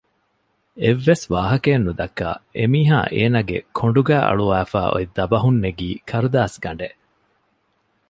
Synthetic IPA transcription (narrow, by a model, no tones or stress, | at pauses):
eʋːesʋaːɦɐkeːnːud̪ɐkːa̰ːʔemiːɦa̰ːʔeːnɐɡḛkʰoɳɖuɡæːʔɐ̰ɭuʋæːfæ̰ːʔo̰id̪ɐbɐɦunːeɡiːkʰɐɾud̪aːsɡɐɳɖeʔ